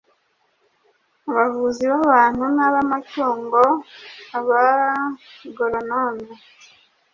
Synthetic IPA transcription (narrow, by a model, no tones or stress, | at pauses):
uβavuziβaβaːn̥hunaβamatuːŋɡo̞aβa | ɡoɾonone